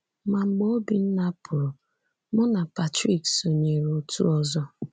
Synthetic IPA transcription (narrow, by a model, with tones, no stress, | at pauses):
ma˨ŋ͡m̩˨ɡ͡bo˦o˦bi˨n̩˦na˦pʊ˨ɾʊ˨ | mʊ˦na˨pa˨tɾi˦˨kso˨ɲe˨ɾo˨tṵ˦ɔ˦zɔ˦